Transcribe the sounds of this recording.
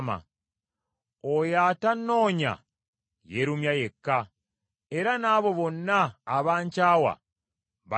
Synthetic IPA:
ma̰ | ojaːtanːo̞ːɲa̰ | jeɾumjajekːa | e̞ɾanaːβo̞βo̞nːaːβaːɲcaːwa̰ | βa

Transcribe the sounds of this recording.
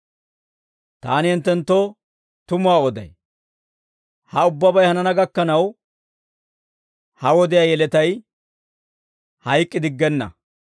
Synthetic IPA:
t̪a̰ːnɪhɪnt̪ːɛnt̪ːo | t̪ʊmʊaːɔd̪ɐ̰j | hɐʊbːɐbɐjhɐnɐnɐɡɐkːɐnɐw | hɐwɔd̪ɪjaːjɛlɛt̪ɐj | hɐjkʼːɪd̪ɪɡːɛnːɐ̰

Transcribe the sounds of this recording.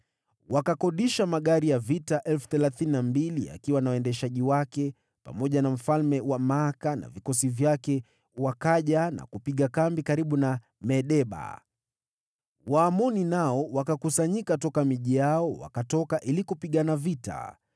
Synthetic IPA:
wakakɔɗiʃamaɠaɾijavitaʔɛlfu̥θɛlaθininambilia̰kiwanawɛndɛʃaʄiwakɛ | pa̰mɔʄanam̩falmɛwamaakana̰vikɔsivjakɛ | wakaʄana̰kupiɠakambikaɾiɓuna | mɛɗɛɓa̰ | waːmɔninaɔwakakusaɲikatɔkamiʄijaɔwa̰katɔkaʔilikupiɠanavita̰

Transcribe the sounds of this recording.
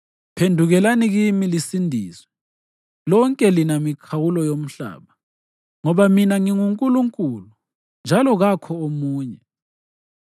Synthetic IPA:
pʰendʱuɣɛlaniɣimilisindʱiːswɛ | lɔŋkʼɛlinamikʰawulɔjom̩ɬa̰ːɓa | ŋɔβaminaŋiŋuŋkʼuluŋkʼulu | nd͡ʒʱalɔɣakʰɔomuːɲɛ

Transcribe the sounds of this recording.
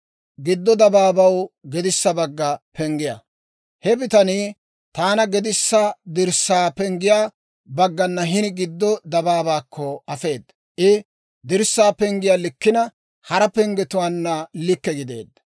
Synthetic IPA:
ɡɪd̪ːɔd̪ɐbaːbɐwɡɛd̪ɪsːɐbɐɡːɐpɛŋɡɪja̰ | hɛbɪt̪ɐniː | t̪aːnɐɡɛd̪ɪsːɐd̪ɪɾsaːpɛŋɡɪjaː | bɐɡːɐnːɐɦɪnɪɡɪd̪ːɔd̪ɐbaːbaːkʰːɔɐfe̞ːd̪ːɐ | ʔɪ | d̪ɪɾsːaːpɛŋɡɪjaːlɪkːɪnɐ | hɐɾɐpɛŋɡɛt̪ʊwaːnːɐlɪkːɛɡɪd̪ḛːd̪ːɐ̥

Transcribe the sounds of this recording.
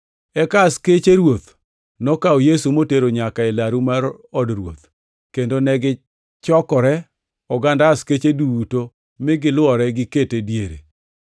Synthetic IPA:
ɛkasket͡ʃeɾwot̪ | nɔkaɔjesumoteɾoɲakaelaɾumaɾɔdɾwo̰t̪ | kendonɛɡɪ | t͡ʃɔkɔɾɛ | ɔɡandasket͡ʃeduuto | mɪɡɪlwɔɾɛɡɪketedjeɾḛ

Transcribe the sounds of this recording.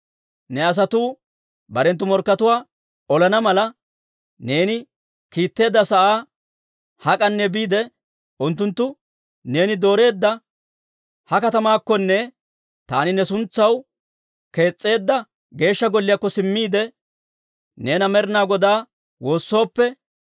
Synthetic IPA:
nɛɐs̬ɐt̪uː | bɐɾɛnt̪̬ːʊmɔɾkːɐt̪ʊwaː | ɔlɐnɐmɐlɐ | ne̞ːnɪ | kiːt̪ːe̞ːd̪ːɐsɐʔaː | hɐkʼɐnːɛbiːd̪ɛ | ʊnt̪ːʊnt̪ːʊ | ne̞ːnɪd̪o̞ːɾe̞ːd̪ːɐ | hɐkɐt̪ɐmaːkːɔnːɛ | t̪aːnɪnɛsʊnt͡sːɐw | ke̞ːt͡sʼːe̞ːd̪ːɐ | ɡe̞ːʃːɐɡɔlːɪjakːɔsɪmːiːd̪ɛ | ne̞ːnɐmɛɾnaːɡɔd̪aː | wo̞ːsːo̞ːpːɛ

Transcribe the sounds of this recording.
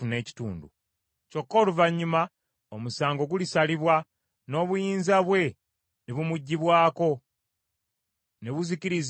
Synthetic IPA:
une̞ːci̥tṵːndṵ | co̞kːo̞ːluvaɲːuma | omusaːŋɡo̞ɡulisaliβwa | no̞ːβujiːnzaβwe̞ | neβumuɟːiβwaːko̞ | neβuziciɾiz

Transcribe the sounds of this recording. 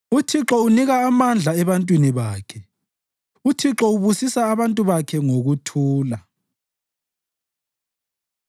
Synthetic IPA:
utʰiǁɔuniɣaːmand͡ɮʱaɛβantʼwiniβaːkʰɛ | utʰiǁɔuβusisaːβantʼuβakʰɛŋoɣutʰuːla

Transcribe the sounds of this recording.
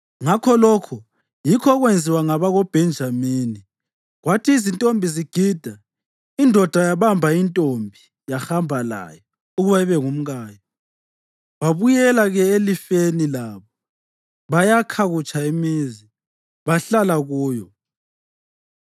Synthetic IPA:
ŋakʰɔlɔkʰu | jikʰɔɣwend͡zʱiwaŋaβaɣɔb̥ʱɛnd͡ʒʱamiːni | ɣwatʰiːzintʼombʱiziɡ̥ʱid̥ʱa | indʱɔd̥ʱajaβambʱaintʼombʱi | jaxambʱala̰jɔ | uɣuβaiβɛŋum̩ɣaːjɔ | βaβujɛlaɣɛelifenilaːβɔ | βajakʰaɣut͡ʃʰʼaimizi | βaɬalaɣuːjɔ

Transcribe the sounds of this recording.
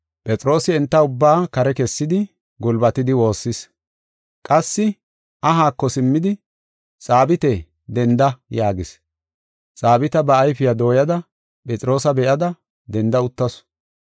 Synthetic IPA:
pʼɛt͡sʼɾo̞ːsɪɛnt̪ːɐʊbːaːkɐɾɛkɛsːɪd̪ɪ | ɡʊlbɐt̪ɪd̪ɪwo̞ːsːɪs | kʼɐsːɪ | ʔɐɦaːkːɔsɪmːɪd̪ɪ | sʼaːbɪt̪ɛ | d̪ɛnd̪ɐjaːɡɪs | sʼaːbɪt̪ɐbɐːjfɪjad̪o̞ːjɐd̪ɐ | pʼɛt͡sʼɾo̞ːsɐbɛʔɐd̪ɐ | d̪ɛnd̪ɐʊt̪ːɐs

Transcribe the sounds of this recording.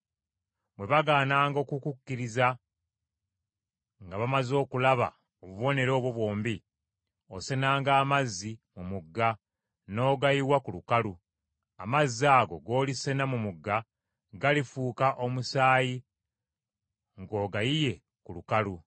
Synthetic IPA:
bwe̞βaɡaːnaːŋɡo̞ːkukukːiɾiza | ŋɡaβamazo̞ːkulaβa̰ | oβuβo̞ne̞ɾo̞ːβwo̞βwo̞ːmbi | osenaːŋɡaːmazːimumuɡːa | no̞ːɡajiwakulukalu | amazːiaːɡo̞̰ɡo̞ːlise̞namumuɡːa | ɡalifuːkaʔo̞musaːji | ŋɡo̞ːɡajije̞ | kulukalu

